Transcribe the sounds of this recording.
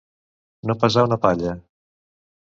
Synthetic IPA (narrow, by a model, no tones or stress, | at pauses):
nopəzawnəpaʎə